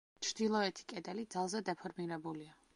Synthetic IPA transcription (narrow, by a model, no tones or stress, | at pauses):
t͡ʃʰɾd̪̥ilˠɔɛt̪ʰi̥kʼɛd̪ɛlid̪zalˠzɛd̪ɛpʰɔɾmiɾɛbulia